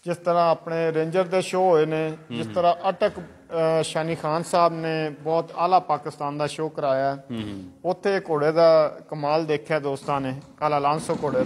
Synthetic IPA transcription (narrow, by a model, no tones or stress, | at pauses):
d͡ʒɪst̪əɾãːaːpneːɾẽːɲd͡ʒəɾd̪eːʃoːɦoːeːneːd͡ʒɪst̪əɾãːʔəʈək | ʃaːniːxʰaːnsaːbneːbɔːt̪a̰ːlaːpaːkɪst̪aːnd̪aːʃoːkəɾaːjaː | ʊt̪ʰːeːkoːɽeːd̪aːkəmaːld̪eːkʰjaːd̪oːst̪ãːneːkaːlaːlãːnsoːkoːɽeː